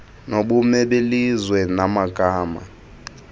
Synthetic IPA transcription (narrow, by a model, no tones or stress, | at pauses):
noɓumɛɓelizwɛnamaɡʱʼaːma̰